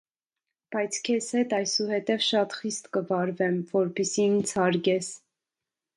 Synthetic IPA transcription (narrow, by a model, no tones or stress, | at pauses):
b̥ɑjt͡sʰkʰɛshɛt̪ɑjsuɦɛt̪ɛvʃɑt̪χist̪kəvɑɾvɛmvɔɾpisint͡sʰɑɾɡɛs